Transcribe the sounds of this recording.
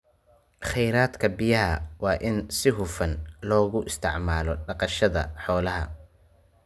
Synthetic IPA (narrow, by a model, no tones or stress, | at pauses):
χɛjɾaːd̪kʰɐbɪjɐɦɐwɑːʔɪnsɪɦʊfɐnlɔːɣʊʔɪst̪ʰɪʕmaːlɔɖɑqɑʃɐðɐ̰ħɔːlɐɦɐ̰